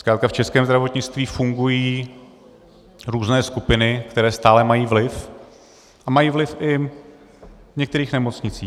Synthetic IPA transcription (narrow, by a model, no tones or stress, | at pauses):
skɾaːt̪kaft͡ʃɛskɛːmzd̪ɾavo̞t̪ɲɪt͡st̪viːfuŋɡujiː | ɾuːznɛːskupɪnɪkt̪ɛɾɛːst̪aːlɛmajiːvlɪf | ʔamajiːvlɪfʔɪ | ɲɛkt̪ɛɾiːxnɛmo̞t͡sɲɪt͡siː